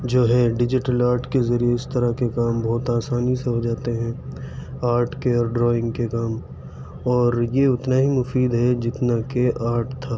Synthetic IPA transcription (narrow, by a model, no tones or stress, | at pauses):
d͡ʒoːɦɛɖɪd͡ʒɪʈəlaːɾʈkezɐɾijeɪst̪ɐɾakekaːmbɔːt̪aːsaːniseɦod͡ʒaːt̪eɦɛ̃ː | aːɾʈʰkeɔːɾɖɾɔːɪ̃ŋɡkekaːm | ɔːɾjeʊt̪naɦimʊfiːd̪ɦɛd͡ʒɪt̪nakeʔaːɾʈt̪ʰaː